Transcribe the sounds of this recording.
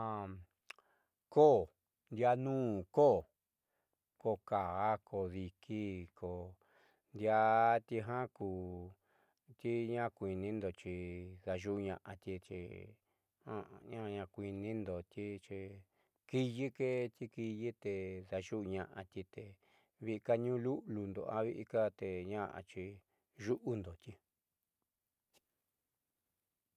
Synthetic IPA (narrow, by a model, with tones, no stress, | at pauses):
a˧ | ko˦˨ | nd̪ja˧nũː˦˨ko˦˨ | ko˧˨ka˨˦kʰo˧˨ði˧kʰi˦kʰo˨ | nd̪ja˧t̪i˧ɦã˦kuː˧˨ | t̪i˦ɲã˦kʷi˧nĩ˦nd̪o˧t͡ʃi˧ða˧ʒu˦ʔɲã̰˧ʔã̰˧t̪i˧t͡ʃḭ˧ | hã̰˦˧ɲã˦˧ɲã˧kʷi˧nĩ˦nd̪o˨t̪ʲi˦t͡ʃi˧ | ki˦ji˦ke˦t̪ʲi˦ki˧ji˦t̪e˧ða˧ʒu˦˧ɲã̰˧ʔã̰˧t̪ʲi˧t̪e˧ | βi˧ka˦ɲũ˦lu˦ʔlu˧nd̪o˨a˦βi˦ʔi˧ka˦t̪e˨ɲã˦ʔa̰˧t͡ʃi˧ | ʒu˦ʔu˦nd̪o˨t̪ʲi˧